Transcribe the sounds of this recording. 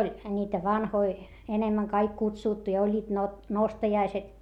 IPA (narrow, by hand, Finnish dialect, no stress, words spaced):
olʲ niːtæ ʋɑnhoi enemːæŋ kɑik kutsuˑtːu jɑ olʲːiːt nostɑjɑiset